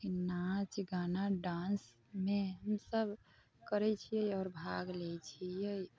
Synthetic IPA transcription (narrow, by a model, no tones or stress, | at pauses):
kinat͡ʃɡanaɖans | meɦəmsəb | kəɾɛt͡ʃʰijəjɔːɾbʱaɡlɛt͡ʃʰijəj